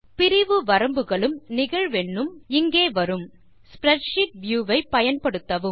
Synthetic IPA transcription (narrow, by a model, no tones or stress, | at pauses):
pɪɾɪʋɯʋɐɾɐmbɯɣɐɭɯmnɪɣɐɻʋɛɳːɯmɪŋɡeːʋɐɾɯm | spɾɛʈʂɪʈ̚ʋjuːʋɐɪpːɐjɐnpɐɽɯt̪ːɐʋɯm